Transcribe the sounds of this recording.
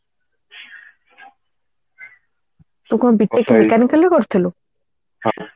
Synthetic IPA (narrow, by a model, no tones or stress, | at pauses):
t̪ukobiʈ̪ːekemekanikalekoɾt̪ʰelo